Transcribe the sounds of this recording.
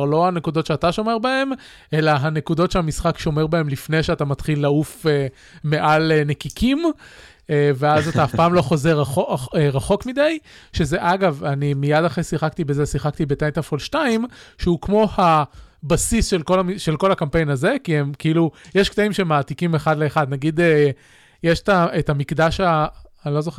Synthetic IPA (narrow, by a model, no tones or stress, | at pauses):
ʁlo̞anekud̪o̞tʃeat̪aʃo̞me̞ʁbae̞m | ʔe̞laɦanekudo̞tʃeamisχakʃo̞me̞ʁbae̞mlifne̞jʃeatamatχilːaufe | me̞ʔalenekikʰim | eveazat̪aːfpaːmlo̞χo̞zeʁaoeʁaχo̞kmid̪ajʃe̞ze̞ʔaɡavanimijadaχesiχakt̪ibezesiχaktibetajnt̪afolʃtaimʃeukmo̞habasisʃelko̞lamiʃe̞lko̞lakampe̞jnaze̞kiemkiilujeʃkt̪aimʃemaːtikimeχad̪le̞ːχad̪naɡid̪e | jeʃetaetamikdaʃaːnlo̞zoχe